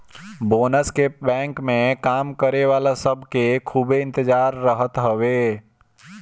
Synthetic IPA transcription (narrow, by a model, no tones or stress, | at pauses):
boːnəskebɛ̃ːŋkmẽkaːmkəɾeʋaːlasəbʱkekʰubeɪ̃nt̪ɪd͡ʒaːɾːəɦət̪ɦəʋeː